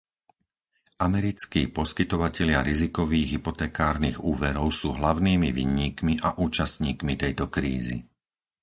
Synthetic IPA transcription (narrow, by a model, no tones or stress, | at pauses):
ʔamɛɾit͡skiːpɔskit̪ɔʋacɛʎɪaɾizikɔʋiːɣɦipɔt̪ɛːkaːɾniɣuːʋɛɾɔʊsuːɦlaʊniːmiʋḭːɲiːkmiʔaʔuːt͡ʃast̪ɲiːkmit̪ɛjt̪ɔkɾḭːzḭ